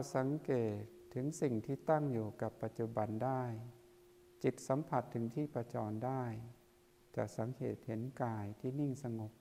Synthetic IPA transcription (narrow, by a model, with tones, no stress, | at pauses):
a˧˩sa˨˦ŋkeː˨˩t̪ʰːɯ˩˦ŋsi˨˩ŋt̪ʰiː˧˩t̪a˥˩ŋjuː˨˩ka˨˩pːa˧t̪̚t͡ɕu˧ba˨˩ndaː˥˩j | t͡ɕi˧˩t̪̚sa˨˦mpʰa˧˩t̪ʰːɯ˩˦ŋt̪ʰiː˥˩pa˧t͡ɕɔː˧˨˩ndaː˥˩j | t͡ɕa˧˩k̚sa˨˩˦ŋheː˨˩t̪̚he˩˦nkaː˧jt̪ʰiː˧˩ni˥˩ŋsa˧ŋo˨˩p̚